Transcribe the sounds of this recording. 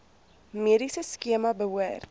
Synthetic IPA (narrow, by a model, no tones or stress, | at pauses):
miəɾisəskiəmɐbəɦuər